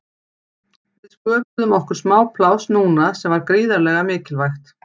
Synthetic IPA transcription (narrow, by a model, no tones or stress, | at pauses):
vɪðskœːpʏðʏmɔhkʏ̥smaːwpʰlawsnuːnasɛmvaɾkɾiːðaɾlɛːɣamɪːcɪlvajxt̪